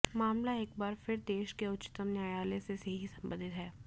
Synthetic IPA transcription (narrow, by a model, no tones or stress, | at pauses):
maːmlaeːk̚baːɾfʰɪɾd̪eːʃkeʊt͡ʃɪ̥t̪əmnjaːjaːleseseɦisɐ̃mbə̰̃nd̪ɪt̪ɦɛː